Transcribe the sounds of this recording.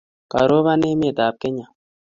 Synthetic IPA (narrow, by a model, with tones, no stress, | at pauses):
ka̰˨ɾo˦βa˦ne˦mi˦e˨d̪a˨p̚ke˦ɲa˨